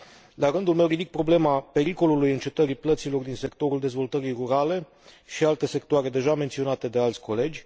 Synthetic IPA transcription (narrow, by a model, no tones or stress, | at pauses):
laɾɨnd̪ulme̞wrid̪ik̚pɾo̞ble̞mape̞ɾiko̞lulujɨnt͡ʃe̞t̪əɾiplət̪silo̞rd̪inse̞kt̪o̞ɾuld̪e̞zvo̞lt̪əɾijruɾale̞ | ʃialt̪e̞se̞kt̪oaɾe̞d̪e̞ʒame̞nt̪sio̞nat̪e̞d̪e̞alt̪sʲko̞le̞d͡ʒʲ